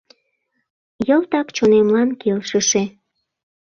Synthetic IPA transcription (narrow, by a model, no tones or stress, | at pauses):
jəlt̪ɑkt͡ɕonemlɑnkelʃəʃe